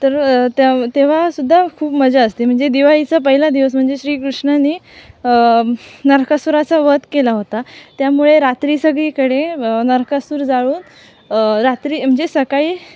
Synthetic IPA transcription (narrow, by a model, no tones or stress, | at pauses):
t̪əɾt̪at̪eʋ̤asud̪ʱːakʰuːpməd͡zaəst̪em̤əɳd͡zed̪iʋajit͡səpəɦilad̪iʋəs̬m̤əɳd͡zeɕɾiːkɾuʂɳaniːənəɾkʰasuɾat͡saʋət̪kelaɦot̪at̪jamuɭeɾat̪ɾiːsəɡɭikəɽeənəɾkʰəsuːɾd͡zaɭuːn | ɾat̪ɾiːm̤əɳd͡zesəkaiː